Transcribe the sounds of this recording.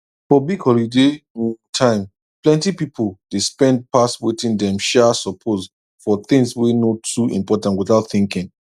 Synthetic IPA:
fɔbikʰɔlidẽtʰãɪ̃m | plɛ̃ntipipʰold̥espɛ̃nd̚paswitĩndɛ̃mʃasɔpʰoz | fɔθɪ̃ŋswinotʰuḭ̃mpɔtãntwiθaʊtθĩŋkĩŋ

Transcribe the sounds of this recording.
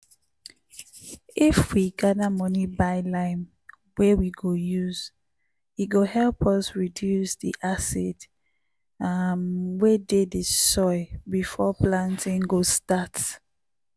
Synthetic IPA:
ifwiɡadamɔnibaɪlãɪ̃m | wɛwiɡojuz̥ | it̚ɡohɛlpɔsɹidjusdḭʔasɛt | amwededesɔɪbifɔplãntĩŋɡostat

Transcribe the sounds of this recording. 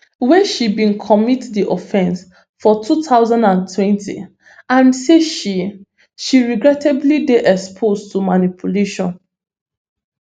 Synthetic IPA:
wɛ̃nʃibĩnkʰɔmitdiʔɔfɛ̃ns | fɔtʰutʰaʊzãndãntʰwɛ̃ntʰḭ | ãnseʃi | ʃiɹiɡɹɛtʰɛblideʔɛkspʰostumanipʰuleʃɔ̃n

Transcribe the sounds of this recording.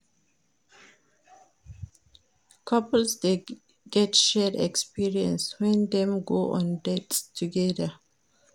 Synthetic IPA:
kʰʌpəl̩sde | ɡɛtʃɛdɛ̰kspiɹiə̰̃nswɛ̃nd̪ɛ̃mɡoːʔɔ̰̃ndɛtstʰuɡɛdə

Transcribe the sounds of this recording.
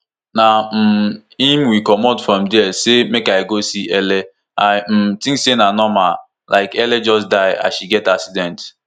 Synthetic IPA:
nam̩im̩wikɔmɔdfɾɔmdɛsemekaiɡosiele | am̩tĩŋsenanɔma | laɪkeled͡ʒɔsdaɪa̰ʃiɡɛtaksidɛnt

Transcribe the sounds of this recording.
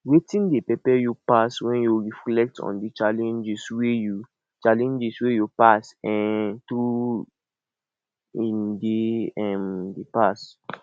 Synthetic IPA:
wetĩndepɹipɛjupaswɛ̃njuɹiflɛk̚tʰɔ̰̃ndit͡ʃalɛ̃nd͡ʒisweju | t͡ʃalɛ̃nd͡ʒiswejupasɛ̃ntɹu | ĩndeɛ̃mdepas

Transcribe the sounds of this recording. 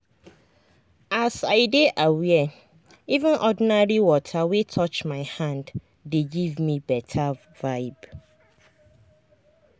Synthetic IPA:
asaɪdeʔawiɛ | ivɪ̃nʔɔdnaɹiwɔtʰawetʰɔt͡ʃmãɪhãndː | eɡivmĩbɛtʰa | vaɪb

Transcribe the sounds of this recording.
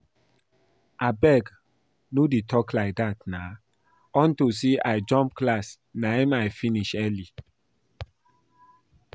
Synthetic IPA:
ʔabɛɡ | nudetʰɔklaɪk̚dat̚na | ɔ̃ntusiʔaɪd͡ʒɔ̃mp̚klas | naɛmaɪfiniʃɛli

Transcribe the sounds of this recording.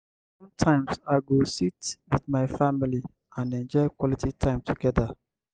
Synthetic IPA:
ssɔ̃mtʰãɪ̃msaɪɡositwiðmaɪfamili | ãnɛ̃nd͡ʒɔɪkwɔlitʰitʰãɪ̃mtʰuɡɛðə

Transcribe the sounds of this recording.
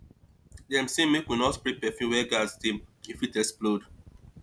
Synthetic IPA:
dɛ̃msemekwinɔtpɾepɛfjũwɛɡaztĩmifitɛksplod

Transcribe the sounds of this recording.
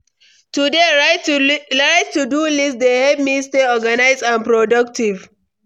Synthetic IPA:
tudea | aɪtːudulɪsdehɛbmisteɔɡanaɪzdãnpɾɔdɐk̚tʰɪv

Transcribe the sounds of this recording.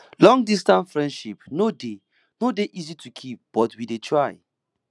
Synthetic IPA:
lɔ̃ŋdistãntfɹɛ̃ndʃipnode | nodeʔizitukʰip̚b̥ɔtwidetʰɹaj

